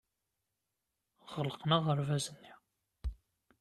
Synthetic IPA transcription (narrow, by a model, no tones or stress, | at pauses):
ʁələqnaʁəɾvæzənːi